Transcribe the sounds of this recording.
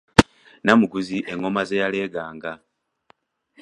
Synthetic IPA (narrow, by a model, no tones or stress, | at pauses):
namuɡuziʔe̞ŋo̞mazejaleːɡaːŋɡa